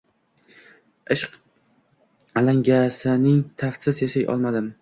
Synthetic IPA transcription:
ɪʃq | alaŋɡʲasɪnɪŋt̪ʰafsɪzjaʃajʔɒ̰lˠmad̪ɪm

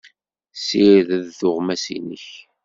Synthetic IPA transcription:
siɾðæðθʊʁmæsḭnə̰ç

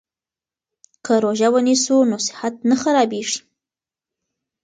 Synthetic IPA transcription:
kʰəɾoʒawənisunosɪ̥hat̪̚naxaɾɑbeʐi̥

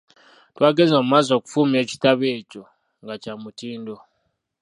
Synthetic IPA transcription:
twaːɡe̞nzoːmumaːzo̞ːku̥fuːmie̞ːci̥taβeːco̞ | ŋɡacamutiːndo̞

